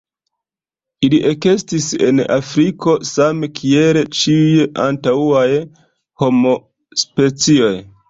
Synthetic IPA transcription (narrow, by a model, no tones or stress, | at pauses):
iliʔe̞ke̞stisḛna̰fɾiko̞samkʰielt͡ʃiujantauaj | ho̞mo̞ | spe̞t͡sio̞j